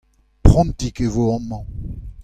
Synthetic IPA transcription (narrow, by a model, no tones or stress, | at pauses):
pχɔ̃mtikevoɔ̃mɑ̃